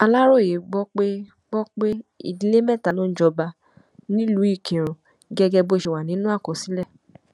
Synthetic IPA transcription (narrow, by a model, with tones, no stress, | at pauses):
a˧la˦ɾo˦˨je˨˦ɡ͡bɔ˦k͡pe˦ | ɡ͡bɔ˦k͡pe˦ḭ˦˨di˧˦le˦mɛ̃˦˨ta˨lõ˦d͡ʒɔ˧ba˧ | nĩ˦lu˨˦i˦˨kẽ˨ɾ̃ɔ̃˨ | ɡɛ˧ɡɛ˧bo˧˦ʃe˧˨wa˨nĩ˨˦nũ˦a˦˨kɔ˨si˨˦lɛ˦˨